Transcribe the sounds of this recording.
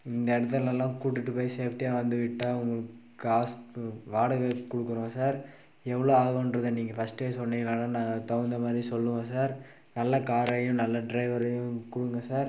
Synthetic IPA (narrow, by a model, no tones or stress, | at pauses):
ɪnd̪ɐɛɽɐt̪̬ːɐlalːãːkuːʈ̬ːɪʈːɯpoːjiseːfʈijaːʋɐnd̪ɯʋɪʈːaːʊŋɡɐɭɯkː | ɯaːsʋaːɽɐʋeːkɔɽɯkːɯɾõːsaːɾ | ɛʋːɐɭoːaːɣɐndɾɐðɯniːŋɡɐfɐsʈeːsɔnːɪŋɡɐlaːnãːnãːt̪ɐʋɐnd̪ɐmaːd̪ɾisɔlːɯʋãːs̬aːɾ | nɐlːɐkaːɾɐjʊ̃nɐlːɐɖɪɾɐɪʋɐɾɐjʊ̃kʊɽɯŋɡɐsaːɾ